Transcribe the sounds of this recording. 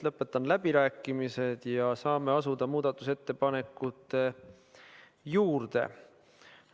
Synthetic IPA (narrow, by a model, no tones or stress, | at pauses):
lɤpːˑe̞t̪ːˑɑnlæb̥iɾæːkːˑimise̞d̪̥jɑsɑːme̞ɑsud̪̥ɑmuːd̪̥ɑt̪ːˑuse̞t̪ːe̞pɑne̞kːut̪ːˑe̞ | juːrd̪̥e̞̰